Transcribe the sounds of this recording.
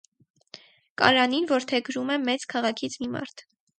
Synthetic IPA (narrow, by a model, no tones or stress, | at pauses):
kɑ̰ɾɑninvɔɾt̪ʰɛɡɾumɛmɛt͡skʰɑʁɑkʰit͡sʰmimɑ̰ɾt̪ʰ